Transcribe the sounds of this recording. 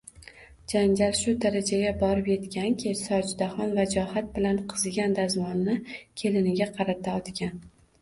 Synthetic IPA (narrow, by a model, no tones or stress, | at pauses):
d͡ʒand͡ʒalʃʊd̪aɾad͡ʒaɡʲabɒɾɪpje̞t̪kʲankʲʰesɒd͡ʒd̪aχɒnvad͡ʒɒhat̪̚bɪlanqʰɨzɡʲand̪azmɒnːɪkʲʰe̞lɪnɪɡʲaqʰɑɾat̪ʰaɒt̪kʲan